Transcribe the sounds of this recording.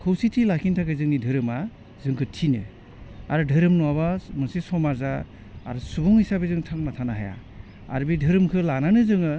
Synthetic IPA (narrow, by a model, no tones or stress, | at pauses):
kʰɯwsitʰilakʰintʰakɯzɯŋnidʱɯɾɯma | zɯŋkʰɯtʰinɯ̰ | a̰ɾɯdʱɯɾɯmnuwaβamɯsesɔmaza̰ː | ɾɯsubɔŋhisabezɯŋtʰaŋnatʰanaɦa̰ja̰ | a̰ɾbidʱɯɾɯmkʰɯlananɯzɯŋɯ